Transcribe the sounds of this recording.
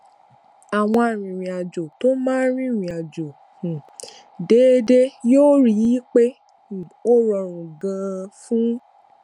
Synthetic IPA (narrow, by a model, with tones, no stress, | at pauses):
a˨w̃ɔ̃˧a˨ɾ̃ĩ˨ɾ̃ĩ˨a˨d͡ʒo˨to˦mãː˦ɾĩ˦˨ɾ̃ĩ˨a˨d͡ʒo˨ | hũ˨ | de˨˦de˦joː˦ɾi˦ji˦k͡pe˦˨ | o˦ɾɔ˧˨ɾ̃ũ˨ɡã˧fũ˦